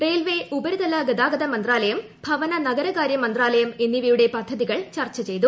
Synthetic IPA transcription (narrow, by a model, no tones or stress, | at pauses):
reːlʋeʔubɐɾud̪ɐlɐɡɐd̪aːɡɐd̪ɐmɐnd̪raːlɐjɐm | bʱɐʋɐnɐnɐɡɐɾɐɣaːɾjɐmɐnd̪raːlɐjɐmenːiʋijuɽe̞pɐd̪ʱːɐðiɣɐɭt͡ɕɐrt͡ɕɐt͡ɕe̞jt̪u